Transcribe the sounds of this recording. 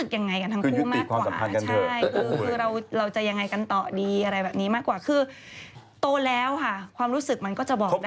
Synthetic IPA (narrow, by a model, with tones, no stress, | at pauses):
ɯ˨˩k̚ja˨˧ŋːa˧jka˧nt̪ʰaː˦˥˧kuu˦˥˩mai˨˥˩kʰwaː˧waːsaː˨˩mʰa˧ka˧t͡ɕnʰa˧˥˩jkʰɯː˧kɯː˧ɾa˧wɾa˧wt͡ɕa˨˩ja˧ŋːa˧jka˧nt̪ɔː˨˩diː˧ʔa˧ɾa˧jbɛː˨˩p̚ni˦˥maː˥˩kwaː˨˩kʰɯː˧ | t̪oː˧lɛː˦˥wkʰa˥˩kʰwaː˧mɾuː˦˥sɯ˨˩k̚ma˧nkɔː˥˩t͡ɕa˨˩bɔː˨˩d